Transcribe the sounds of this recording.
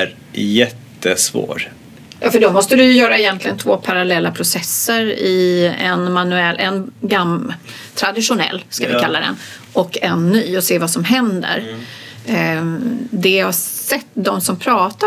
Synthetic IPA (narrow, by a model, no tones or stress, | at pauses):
ɾ | jɛt̪ʰːəsvo̰ːɾ | jɑ̰ːfəɖɔmɔst̪əd̪ɵjɵjœːɾaɪjɛnt̪lɪɡənt̪ʰvoːpʰaɾalɛlːapʰɾʊsɛsːəɾɪɛnmanːɵɛlːʔɛnɡam | t̪ʰɾad̪ɪʂʊnɛ̰lːskavɪ̰kʰalːad̪ɛ̰n | ɔkːɛnːyːɔseːvasɔmɦɛnd̪ə̰ɾ | d̪ɛhasɛt̪ːd̪ɔmsɔmpʰɾɑːt̪a